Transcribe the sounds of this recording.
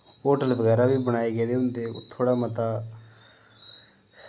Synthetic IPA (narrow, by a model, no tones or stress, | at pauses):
oːʈəlbəɡɛːɾabʱiːbəɽ̃aːeɡeːd̪eʊnd̪eːt̪ʰːoːɽamət̪aː